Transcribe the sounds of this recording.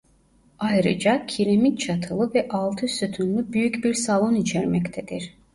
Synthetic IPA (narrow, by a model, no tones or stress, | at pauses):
ajɾɯ̰d͡ʒacʰiɾemitt͡ʃʰat̪ʰɯlˠɯvɛʔɑlˠt̪ʰɯsyt̪ʰynlʲybyjycbiɾsalˠo̞nit͡ʃʰɛɾmɛct̪ʰed̪iɾ̥